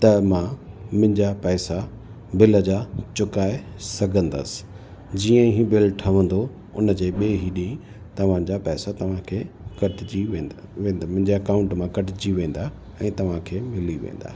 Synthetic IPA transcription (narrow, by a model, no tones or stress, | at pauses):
t̪ɐmãmʊ̃ɪ̃ɲd͡ʑapɛːsa | bɪləd͡ʑaːt͡ɕʊkaːe | sɐɡʱə̃nd̪ə̰sɪ̥ | d͡ʑiːə̃ɦibɪlʈʰɐʋə̃nd̪o | ʊnəd͡ʑeːɓeːɦiɗĩĩ | t̪ɐʋ̤ãd͡ʑapɛːsat̪ɐʋ̤ãkʰeːkɐʈd͡ʑiʋẽːʋẽːnd̪amʊ̃ɦɪ̃ɲd͡ʑeɐkaːʊ̃ɳʈmãkɐʈɪd͡ʑiʋẽːn̆d̪a | ɛ̃ːt̪ɐʋ̤ãkʰeːmɪliʋḛ̃ːn̆d̪a̰ː